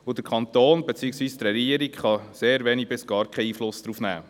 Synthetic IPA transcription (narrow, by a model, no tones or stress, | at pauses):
ud̥̪əɾkʰɑnt̪oːnbɛt͡siːəksʋiːst̪rɛɡiəɾikχɑseːɾʋɛnibɪsɡ̥ɑːɾkχɛiːflʊsd̥̪ɾuːfnæ̰ː